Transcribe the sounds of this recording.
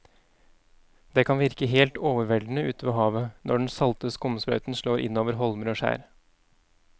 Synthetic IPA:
d̪̥eːkʰɑnʋɪɾkəɦeːlt̪oːʋəɾʋɛld̪n̩əʉːt̪əʋeːɦɑːʋənʔɔɖɳn̩sɑlt̪əskʊmsbɾɑ̰ʉt̪n̩ʂɭoːɾʔɪ̰nːoːʋəɾɦɔlməɾoːʂæ̰ːɾ

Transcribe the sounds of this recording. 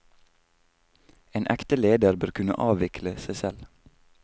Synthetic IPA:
eːnʔɛkt̪əleːd̪əɾbøːɾkʰʉnə̰ʔɑːʋɪkʰləsæɪsɛl

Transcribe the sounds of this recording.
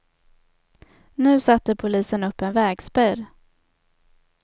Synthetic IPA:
nʉ̟ːsat̪ːəpʰʊliːsənɵpːɛnvɛːɡspœːɾ

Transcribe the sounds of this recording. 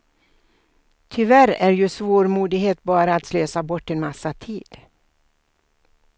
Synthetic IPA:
t̪ʰʏvæɾæɖjɵsvoːɾmuːd̪ɪɡɦeːt̪̚bɑːɾaːt̪sløːsabɔʈːɛnmasːat̪ʰiːd̪̥

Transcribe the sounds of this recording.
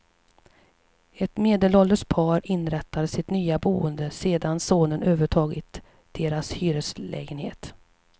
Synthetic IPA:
ɛt̪meːd̪əlɔlːəʂpʰɑːɾɪnɾɛt̪ʰːad̪əsɪt̪nyːabuːənd̪əseːd̪ansoːnənʔøːvəʈʰɑːɡɪt̪ | d̪̥eːɾashyːɾəslɛ̰ːɡənhḛːt̪

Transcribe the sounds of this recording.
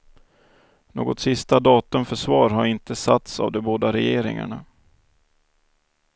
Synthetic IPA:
noːɡɔt̪sɪst̪ad̪ɑːt̪ɵmfœʂvɑːɾɦaɾɪnt̪əsat̪sa̰vd̪ɛboːd̪aɾɛjeːɾɪ̰ŋa̰ɳa

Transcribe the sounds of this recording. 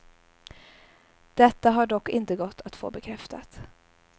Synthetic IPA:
d̪̥ɛt̪ːaɦaɖɔkːɪnt̪əɡɔt̪ʰːat̪fo̰ːbɛkʰɾɛft̪a̰t̪

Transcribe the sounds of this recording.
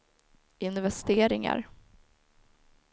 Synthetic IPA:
ɪnvɛst̪eːɾɪŋa̰ɾ

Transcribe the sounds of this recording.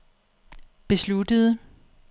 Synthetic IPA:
b̥e̝slud̥əð̞ˠə

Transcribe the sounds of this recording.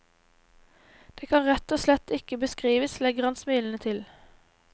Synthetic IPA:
d̪̥eːkʰɑnʁɛt̪oːslɛt̪ɪkəbəskʁiːʋəslɛɡʁɑnsmyːln̩ət̪ʰɪl

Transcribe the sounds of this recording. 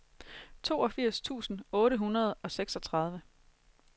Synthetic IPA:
t͡sʰo̝̰ːɒ̽fiɐ̰st͡sʰṵːsn̩ɔ̽ːɾəɦunɐð̞̩ˠɒ̽seɡ̥sɒ̽t͡sʰʁɑ̈ð̞ˠʋə

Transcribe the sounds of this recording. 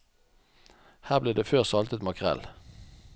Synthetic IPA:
hæːʁbliːd̪eːføːʁsɑlt̪ət̪mɑkʰʁɛ̰l

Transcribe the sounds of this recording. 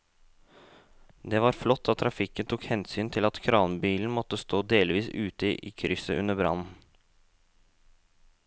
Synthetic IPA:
d̪ɛʋɑːɾflɔt̪ʰːɑt̪ʰɾɑfɪkːənt̪ʰukhɛnsyːnt̪ʰɪlɑt̪kʰɾɑːnbiːln̩mɔt̪ːəst̪oːd̪eːlʋiːsʉːt̪əʔḭːkʰɾʏsəʔʉ̰nːəbɾɑ̰nn̩

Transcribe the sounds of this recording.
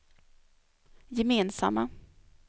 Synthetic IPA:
jɛmeːnsa̰mːa

